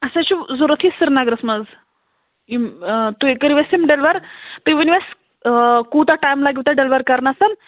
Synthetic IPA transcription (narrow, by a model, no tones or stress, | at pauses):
ɐsat͡ʃuzuɾɐt̪ʰisiɾnaɡɾəsmɐz | imt̪uekəɾiʋesimɖelʋɐɾt̪ɨʋiniʋes | kut̪aʈajmlaɡʲiwt̪aɖelʋɐɾkɐɾnasɐn